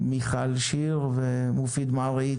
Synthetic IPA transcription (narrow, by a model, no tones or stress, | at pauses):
miχalʃiʁvemufid̪malʁai